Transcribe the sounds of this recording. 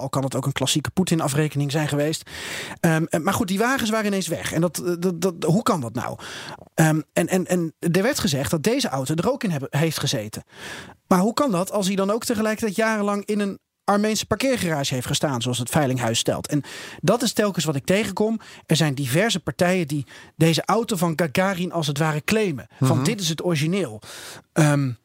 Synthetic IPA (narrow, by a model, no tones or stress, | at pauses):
ɑlˠkɑndɑtowkənklɑsikə̥putɪnɑfrejkənɪŋzɛjnχəʋejstəmaːɹχut̚diʋaːχəns̬ʋaːrəɪnejnsʋɛ̰χɛ̰ndɑt | ɦukɑndɑtna̰wəɛnʔɛnɛndəɹʋɛɹtχəzɛχt̚dɑt̚dejzəʔɑwtodərowkɪnɛɦejftχəzejtəmaːɹɦukɑndɑtɑlˠs̬ɦidɑnowk̚təχəlɛjkətɛjtjaːrəlɑŋɪnən | ɑɹmejnsə̥pɑɹkɪːɹχəraːʒəɦejftχəstaːnzoɑlˠsətfɛjlɪŋɦœɥstɛ̰lˠtɛndɑtɪstɛlˠkənsʋɑtɪk̚tejχənkɔmɛɹzɛjndivɛɹzəpɑɹtɛjədidejzəʔɑwtovɑnɡaɡaːrinʔɑlˠsətʋaːrəklejməv̥ɑndɪtɪs̬ɦətɔriʒinɪːlˠəm